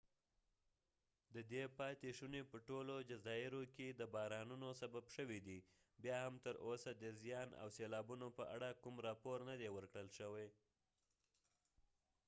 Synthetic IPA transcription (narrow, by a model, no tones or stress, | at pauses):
d̪əd̪epɑt̪eʃunepəʈolod͡ʒazɑɪɾoked̪əbɑɾɑnunosababʃəwid̪i | bjɑhamt̪əɾʔosad̪əzjɑnʔa̰wselɑbunopəʔa̰ɽakumɾɑpoɾnad̪ewəɾkɽəlʃəwej